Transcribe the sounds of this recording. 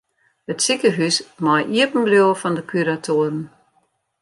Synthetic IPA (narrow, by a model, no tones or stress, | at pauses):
ətsikəɦysmɔjʔiəpn̩bljoːəfɔndəkʰyɾatʰoəɾən